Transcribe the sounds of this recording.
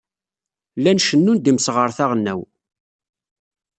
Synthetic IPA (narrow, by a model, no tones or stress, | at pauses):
lːænʃənːund̪imsʁəɾˤθaʁnːæ̰w